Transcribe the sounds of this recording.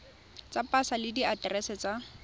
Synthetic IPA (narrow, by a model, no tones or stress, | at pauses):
t͡sʼapʼasalɪdiatrɛsɛt͡sʼa